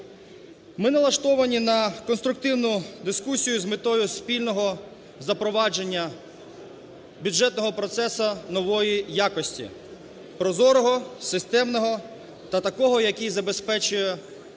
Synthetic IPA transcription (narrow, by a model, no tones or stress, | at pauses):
mɪnɐlˠɐʃt̪ɔʋɐnʲinɐkɔnst̪ɾʊk̚t̪ɪwnʊd̪ɪskusʲijʊzmɪt̪ɔjʊspʲilʲnɔɦɔ | zɐpɾɔʋɑd͡ʒe̞nʲːɐ | bʲjuʒɛt̪nɔɦɔpɾɔt̪sɛsɐnɔʋɔjijakɔsʲtʲḭ | pɾɔzɔɾɔɦɔsɪst̪ɛmnɔɦɔ | t̪ɐt̪ɐkɔɦɔjɐkʲijzɐbespɛt͡ʃʊjɛ